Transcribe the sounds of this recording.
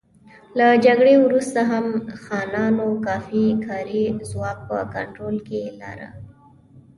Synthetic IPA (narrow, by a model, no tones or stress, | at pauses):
lad͡ʒaɡɽewɾust̪aɦamxɑnɑnokɑfikʰɑɾizwɑk̚pə̰ka̰ɳʈɾolkela̰ɾa̰